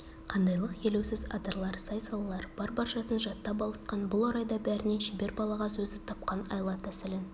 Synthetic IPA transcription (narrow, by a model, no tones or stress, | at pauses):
qʰɑnd̪ɑjlˠəqje̞lewsɪzɑ̰d̪əɾlˠɑɾsɑjsɑlˠɑlˠɑɾb̥ɑɾbɑɾʃɑsənʒɑt̪ːɑp̬ɑlˠəsqɑnbʊlˠɑɾɑjd̪ɑbæɾɪne̞nʃibe̞ɾbɑlˠɑʁɑsɵzɪt̪ʰɑp̚qɑnɑ̰jlˠɑt̪æsɪlɪn